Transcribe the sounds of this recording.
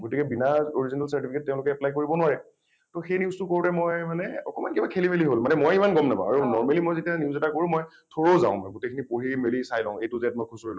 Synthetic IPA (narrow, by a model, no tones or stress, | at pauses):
ɡotikɛbinaoɹizinalsaɹtipʰiket̚ːɛʊ̃lʊkɛɛplajkoɹibɔnʊwaɹɛ | toxejniʊztʊkoɹtɛmojmanɛɔ̰kɔmankibakʰelimeliɦolmanɛmojimanɡɔmnapã̰aɹunɔɹmalimojzitianiuʊzɛtakoɹũmɔj | tʰoɹoza̰ʊ̃mɔjɡutekʰinipoɦimelisajdɔ̰̃ʊ̃ejtʊzɛat̚mojkʰusoɹilo